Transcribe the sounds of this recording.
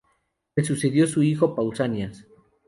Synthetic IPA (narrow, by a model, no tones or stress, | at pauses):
resuseðjosuixopawsanias